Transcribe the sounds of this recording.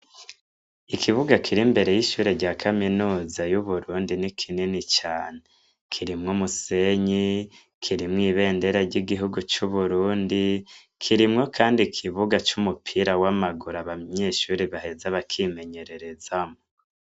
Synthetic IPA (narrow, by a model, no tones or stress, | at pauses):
ikʰiβuɡakʰiɾimbe̞ɾe̞jiʃuːɾeɾɟaːkʰaminuːzajuβuɾuːndinikʰininit͡ʃaːne | kʰiɾimŋumuse̞ɲi | kʰiɾimŋiːβe̞ːnde̞ɾaɾɟiɡiɦuɡut͡ʃuβuɾuːndi | kʰiɾimŋo̞kʰaːndikʰiβuɡat͡ʃumupʰiɾawamaɡuɾaβaɲe̞ːʃuɾiβahe̞zaβakʰime̞ɲe̞ɾe̞ɾe̞zamo